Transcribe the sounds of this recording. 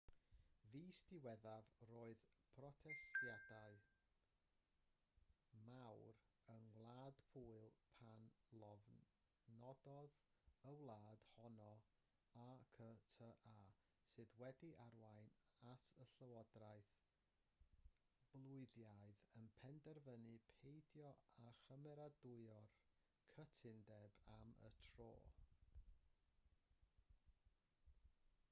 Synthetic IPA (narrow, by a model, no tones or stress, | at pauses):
viːstɪwɛðavroːɨðpʰrɔtʰɛstjadaɨ | mawr | əŋwlˠaːd̥pʰuːɨlˠpʰanlɔv | nɔdɔðəwlˠaːd̥hɔnɔ | akʰətʰəʔaː | sɨːðwɛdiʔarwajnatʰəɬəwɔdrajθ | b̥lˠʊɨðjaɨðənpʰɛndɛrvənɨpʰejdjɔaχəmɛɾadʊɨɔr | kʰətʰɪndɛbamə̰tʰro̰ː